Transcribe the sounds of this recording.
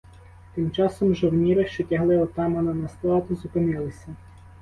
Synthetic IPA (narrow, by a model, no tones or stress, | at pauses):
t̪ɪmt͡ʃɑsɔmʒɔwnʲiɾɪʃt͡ʃɔtʲɐɦlˠɪɔt̪ɑmɐnɐnɐst̪lˠɑt̪ʊzʊpɪnɪlˠɪsʲɐ